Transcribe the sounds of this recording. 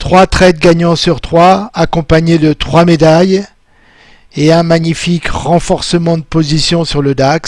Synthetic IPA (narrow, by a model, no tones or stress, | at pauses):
t̪χwat̪χɛt̪̚ɡaɲɑ̃syʁt̪χwaakɔ̃paɲed̪ət̪χwamed̪aj | eɛ̃maɲifikʁɑ̃fɔʁsəmɑ̃d̪əpozisjɔ̃syʁləd̪ak